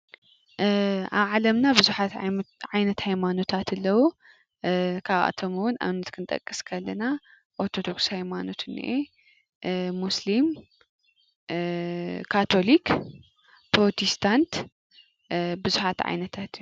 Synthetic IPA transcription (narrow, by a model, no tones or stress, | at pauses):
ʔa̰βʕalɐmnabɨzuħat̪ʕajnɐt̪hajmano̞t̪ʰat̪ɨlːɐwu | kʰaβʔa̰t̪ʰomɨwʊnʔa̰wnɐt̪kʰɨnt̪ʼɐ̰kʼːɨskʰɐlːɐna | ʔoɾt̪ʰo̞d̪o̞ksihajmano̞t̪ɨnḭʔe | muslim | kʰːat̪ʰo̞lik | pɾo̞t̪ʰist̪ʰant̪ | bɨzuħat̪ʕa̰jnɐt̪ʰat̪j